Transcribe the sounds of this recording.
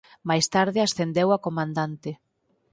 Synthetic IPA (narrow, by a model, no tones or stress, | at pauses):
majst̪aɾðɪasθend̪ewakomãnd̪ant̪ɪ